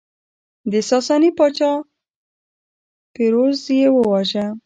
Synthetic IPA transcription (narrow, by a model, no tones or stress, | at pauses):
d̪əsɑsɑnipɑt͡ʃɑ | peɾozjewəwɑʒa